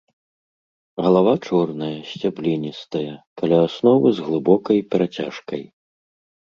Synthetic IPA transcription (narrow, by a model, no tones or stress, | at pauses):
ɣɐlˠavat͡ʂɔrnɐjɐsʲt͡sʲablʲinʲist̪ɐjɐkalʲaːsnɔvɨzɣlˠɨbɔkɐjpʲɛɾat͡sʲa̰ʂkɐj